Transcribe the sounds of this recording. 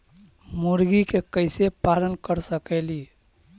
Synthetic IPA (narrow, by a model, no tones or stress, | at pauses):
muɾɡikekəɪsepalənkəɾsəkɛli